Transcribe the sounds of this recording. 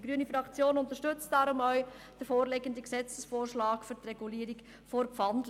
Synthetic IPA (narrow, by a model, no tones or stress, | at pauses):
ɡɾyənifɾɑkt͡sjoːnʊnt̪əɾʃtʏt͡std̥ɑɾʊmœɥ | d̥əɾfoːɾleɡəndəksɛt͡səsfoːrʃlɑːkfʏɾt̪rɛɡuliːɾik | foɾpfɑndl